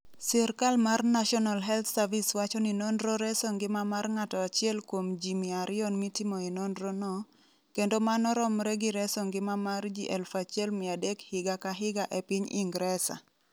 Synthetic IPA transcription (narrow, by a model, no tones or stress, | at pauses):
sɛɾkalmarnaʃɔnalɦɛlt̪saviswat͡ʃɔninɔnɾɔɾɛsɔŋɡɪmamarŋatɔat͡ʃɪɛlkwomd͡ʒimɪaɾɪɔnmitimɔinɔndɾɔnɔ | kendomanɔɾɔmɾɛɡiɾɛsɔŋɡɪmamard͡ʒiʔɛlfat͡ʃɪɛlmɪadɛkhɪɡakaɦɪɡaʔɛpiɲḭŋɡɾɛsa̰